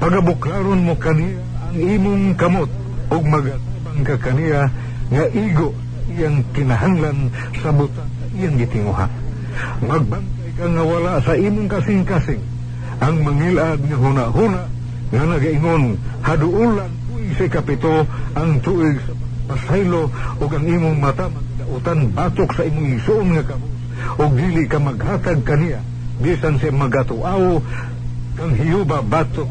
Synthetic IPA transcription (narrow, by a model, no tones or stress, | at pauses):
paɡabʊklaɾonmokanijaʔːŋimʊŋkamot̪̚ | ʊɡ̚maɡat̪abaŋkakanija | ŋaʔiɡoʔsaʔijaŋt̪ɪnaɦaŋlan | sabʊt̪aŋsaʔijaŋɡɪt̪ɪŋuha̰ʔ | maɡ̚bant̪ajkaŋawalaʔsaʔiːmʊŋkasɪŋkasɪŋ | ʔaŋmaŋilʔad̪̚ŋaɦunaʔhunaʔ | ŋanaɡaʔɪŋonhadʊʔulaŋt̪uʔɪɡsaɪkapɪt̪oʔaŋt̪uʔɪɡsamaŋapasajloʔʊɡaŋimʊŋmat̪amaŋlaʔʊt̪anbat̪ʊksaimʊŋɪɡsoʔʊnŋakabos | ʔʊɡ̚d̪ilɪʔkamaɡhat̪aɡ̚kanija | bisansiamaɡat̪ʊʔao | kaŋɦɪjubabat̪ok